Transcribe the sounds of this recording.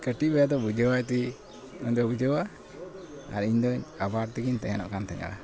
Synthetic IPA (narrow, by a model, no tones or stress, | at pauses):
kəʈibɛjad̪ɔbud͡ʒəwajt̪i | ɔɲd̪ɔbud͡ʒəwa | a̰ɾiɲd̪ɔɲabaɾt̪ɛɡiɲt̪ɛɦɛnɔ̰ʔkant̪ɛɲa̰ʔa̰